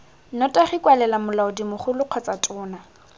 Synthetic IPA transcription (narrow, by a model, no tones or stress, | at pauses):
nɔtʼaχikʼwalɛlamʊlaʊdimʊχʊlʊq͡χʰɔt͡sʼatʼʊːna